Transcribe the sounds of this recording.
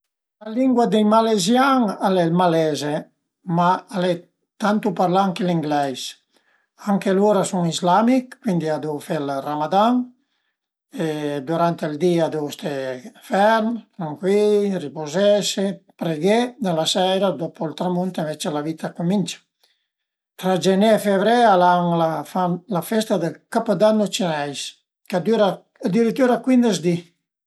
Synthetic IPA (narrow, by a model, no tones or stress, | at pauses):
laliŋɡwad̪ejmalezjaŋalɛlmalɛze | maːle | t̪ant̪upaɾlaŋkeliŋɡlɛjs | aŋkeluɾasuŋizlamikːwind̪iad̪ufɛlramad̪aŋ | ed̪uɾant̪eld̪iad̪owst̪efɛɾnt̪ɾaŋkwilripozɛsepɾeɡed̪alasɛjɾad̪opʰoilt̪ɾamunt̪iɱvet͡ʃelavit̪ʰakumint͡ʃḁ | t̪ɾad͡ʒenefevɾɛalaŋlafanlafɛst̪ad̪əlkapad̪anːot͡ʃinajs | kad̪yɾa | ad̪iɾit̪ːuɾakwind̪əzd̪i